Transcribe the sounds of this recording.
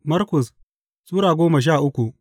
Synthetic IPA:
mɐ˦ɾkʊ˨s | sʼuː˦ɾaː˨ɡʷoː˦mɐ˨ʃ̬aː˦˨ʔʊ˦kʷu˨ʔ

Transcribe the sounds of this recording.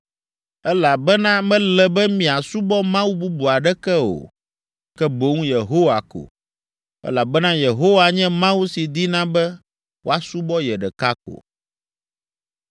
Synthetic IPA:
ɛ˦la˨bɛ˦nã˦mɛ̃˦lɛ˨bɛ˦mĩ˨a˨su˦bɔ˦mã˦wu˦bu˦bu˨a˨ɖɛ˦kɛ˦o̰˨ | kɛ˦bo˦ŋũ˦je˨ɦo˦wa˨ko̰˨ | ɛ̰˦la˨bɛ˦nã˦je˨ɦo˦wa˨ɲɛ̃˦mã˦wu˦si˨d̪i˦nã˦bɛ˦ | wo˦a˨su˦bɔ˦jɛ˨ɖɛ˨ka˦ko̰˨

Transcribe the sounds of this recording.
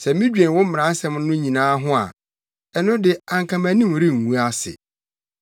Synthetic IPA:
sɛ˨mĩ˦d͡ʑᶣɛ̃˨n˨wɔ˦m̩˦m˨ã˨˦n˦sɛ̃˦m˦nʊ̃˦ɲĩ˨nãː˦ɦʊ̃˦a̰˨ | ɛ˨nʊ̃˦dɪ˨ã˨ŋkʰã˨mæ̃˨˦nĩ˦m˨ɾĩ˦˨ŋ̩˨wũ˦a˦sɪ̰˨

